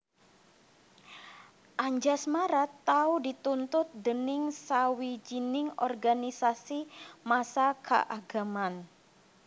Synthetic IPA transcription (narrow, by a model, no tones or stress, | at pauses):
ʔaɲd͡ʒasmaɾat̪ːaudit̪unt̪ʊt̪̚dənɪŋsawid͡ʒinɪŋɔrɡanisasimasakʰa̰ʔaɡ̥a̤man